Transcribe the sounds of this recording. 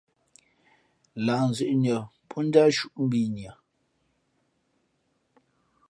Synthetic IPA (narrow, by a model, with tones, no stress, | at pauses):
la˨n̩˨zʉ˨ʔɲə˨pʰɔ˦n̩˦da˦ʃu˦˨ʔm̩˦bi˦˨ɲ˨a˨